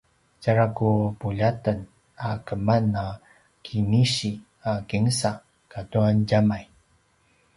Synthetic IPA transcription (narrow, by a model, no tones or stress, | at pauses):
caɾakupuʎatən | akəmana | kʰiniɕi | akiŋsa | katuanɟamaj